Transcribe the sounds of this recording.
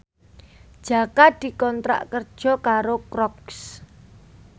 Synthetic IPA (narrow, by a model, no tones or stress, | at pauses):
d̥ʒ̥a̤kad̪̥i̤kɔnt̪ɾa̰ʔkərd̥ʒ̥ɔ̤kaɾokɾɔks